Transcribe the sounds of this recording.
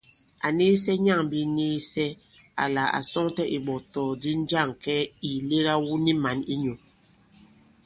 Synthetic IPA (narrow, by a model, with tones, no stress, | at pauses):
a˨ne˦sɛ˦ɲa˦˨ŋ˨bi˦niː˦sɛ˦ | a̰˨la˨a̰˨sɔ˦ŋtɛ˦ʔi˨ɓɔ˨tɔ˨di˦n˦d͡ʒa˦˨ŋ˨kɛ˦i˨le˦ɣa˦wu˦ni˦ma˨ni˦ɲo˨